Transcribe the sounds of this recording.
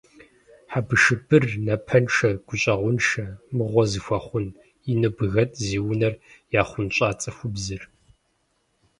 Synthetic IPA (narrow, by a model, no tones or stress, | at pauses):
ħabɨʃɨbʰɨrnɐpʰɐnʂɐɡ̥ʷʊɕʼɐʁʷʊnʂɐmɨʁʷɔzɨfʷɐχʷʊn | inɨbɨɣɐtʼziːwʊnɐrjaːχʷʊnɕʼaːt͡sʼɐxʷʊbzɨr